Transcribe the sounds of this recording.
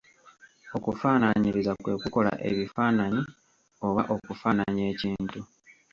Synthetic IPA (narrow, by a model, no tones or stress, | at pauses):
o̞kufaːnaɲiɾizakwe̞ːkuko̞la̰ʔe̞̰βifaːnaɲi | o̞βaʔo̞kufaːnaɲie̞ːciːntu